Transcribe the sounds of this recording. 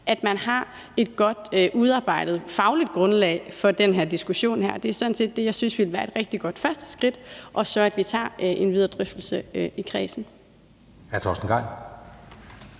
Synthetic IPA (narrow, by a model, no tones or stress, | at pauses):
ʔæd̥mænhɑ̈ | e̝d̥̚ɡ̥ɒ̽d̥ʔuð̞ˠɑ̈ːb̥ɑ̈ɪ̰d̥ð̞̩ˠfɑ̈ʊlid̥̚ɡ̥ʁɔ̽nlɛ̰ːɪfɒ̽d̥enɦeɐ̰d̥isɡ̥uɕo̝̰ːnhæɐ̰d̥e̝æɐsɒ̽n̩se̝̰ːd̥ːe̝jɑ̈ɪsynsʋil̩ʋæːɐe̝d̥ʁɛɡ̥̚d̥iɡ̥ɒ̽d̥fɶɐsd̥ə̥sɡ̥ʁid̥ʔɒ̽sɒ̽æd̥ʋit͡sʰɑ̰̈ːʔe̝nʋið̞ˠɐd̥ʁœfd̥l̩səikʰʁɛːsn̩ | æɐt͡sʰɒ̰ːsn̩ɡ̥ɑ̈ɪ̰